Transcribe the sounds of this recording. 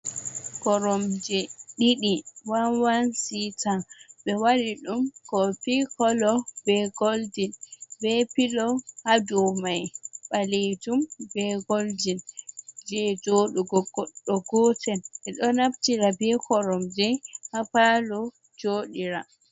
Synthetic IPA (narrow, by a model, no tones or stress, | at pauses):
kɔɾɔmd͡ʒɛɗiɗiwanwansitaɓɛwaɾiɗumkɔpikɔlɔbɛɡold͡ʒinbɛpilɔhad͡ʒumajɓaled͡ʒumbɛɡold͡ʒind͡ʒɛd͡ʒoːɗuɡɔɔɗːɔɡɔtʰɛnʔɛɗɔnaptiɾabɛkʰɔɾɔmd͡ʒɛhapalɔ | d͡ʒoɗiɾa